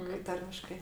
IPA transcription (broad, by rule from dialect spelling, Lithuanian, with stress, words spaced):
kɐɪ ˈtɐrʲmʲɪʃkɐɪ